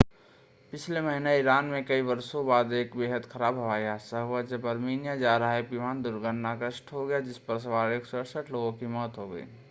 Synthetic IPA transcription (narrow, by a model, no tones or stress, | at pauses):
pɪt͡ʃʰleməɦineɪɾaːnmẽkəibɐɾsõbaːd̪eːkbeːɦət̪kʰəɾaːbɦəʋaːjasəɦʋəd͡ʒəbəɾmiːnjad͡ʒaːɾɦɛpimaːnd̪ʊɾɡəɽnakɾəʃʈɦoɡɐjad͡ʒɪspəɾs̬əʋaːɾeksʊəɾsəʈʰloːɡõkimɔːt̪ɦoɡəḭ